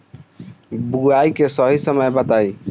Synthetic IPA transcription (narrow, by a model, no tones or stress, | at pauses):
buajkesɔɦisɔmaebat̪aj